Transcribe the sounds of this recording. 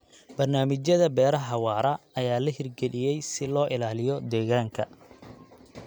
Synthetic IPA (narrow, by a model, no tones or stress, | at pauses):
bɐrnaːmɪt͡ʃjɐðɐbɛːɾɐɦɐwɑːɾɐɐjaːlɐɦɪrɡɛlɪjɛjsɪlɔːʔɪlaːlɪjɔd̪ɛːɣaːŋkʰɐ